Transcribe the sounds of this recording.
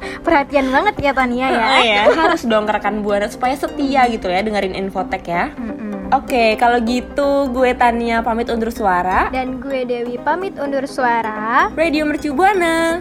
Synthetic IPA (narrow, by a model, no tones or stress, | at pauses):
pərhat̪ianbaŋət̪̚jat̪aniajajaɦaɾʊsdɔŋkəɾakanbuanasu̥pajasət̪iaɡit̪ujadəŋəɾɪnʔḭnfot̪ɛkjaʔokekaloɡit̪uɡuet̪aniapamɪt̪undʊrsuaɾadanɡuedewipamɪt̪undʊrsuaɾarediomərt͡ʃubuanə